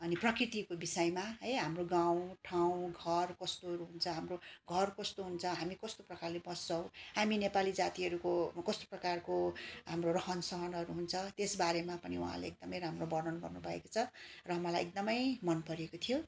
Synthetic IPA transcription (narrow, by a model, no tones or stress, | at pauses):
ʌniprʌkrit̪ikobisʌjmaɦʌjɦamroɡãw̃ʈʰaw̃ɡʱʌrkʌst̪oɦʌɾuɦunt͡sʰʌɦamroɡʱʌrkʌst̪oɦunt͡sʰʌɦamikʌst̪oprʌkarlebʌst͡sʰʌ̃w̃haminepalid͡zat̪iɦʌɾukokʌst̪o̥prʌkarkoɦamrorʌɦʌnsʌɦʌnɦʌɾuɦunt͡sʰʌt̪esbaɾemapʌniṵɦã̰leek̚d̪ʌmʌjɾamrobʌɾnʌnɡʌrnubʱʌḛkot͡sʰʌrʌɦʌmʌlajek̚d̪ʌmʌjmʌnpʌɾekot̪ʰijo